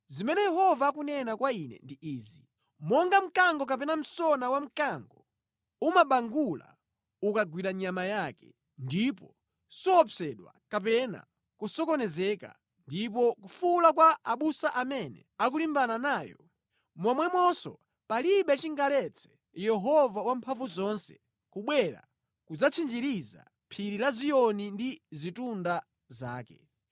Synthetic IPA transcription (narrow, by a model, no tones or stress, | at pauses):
zimɛnɛjɛhɔvaːkunɛnakwainɛ̰ndiʔiːzi | mɔŋɡam̩kaŋɡɔkap̬ɛnam̩sɔnawam̩kaŋɡɔ | umaɓaŋɡula̰ | ukaɡwiɾaɲamajakɛ | ndipɔ | sɔːpsɛɗwa̰kapɛna̰ | kusɔkɔnɛzɛka̰ | ndipɔkufulakwaʔaɓusaʔamɛnɛ̰ak̬ulimbananaːjɔ | mwamwɛmwɔsɔ̰ | paliɓɛt͡ʃiŋɡalɛt͡sʰɛ̥ | jɛɦɔvawampʰaɱvuzɔnsɛ̥̰ | kuɓwɛɾa̰ | kud͡zat͡ʃʰind͡ʒiɾiza̰ | pʰiɾilazijɔnindizitunda | zaːkɛ̰